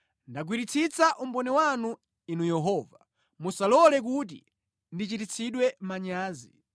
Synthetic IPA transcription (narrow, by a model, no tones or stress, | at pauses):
ndaɡ̬wiɾit͡sʰit͡sʰaʔum̩bɔnɛwanu | inujɛɦɔːva | musalɔlɛk̬ut̬ḭ | ndit͡ʃitit͡sʰiɗwɛmaɲaːzi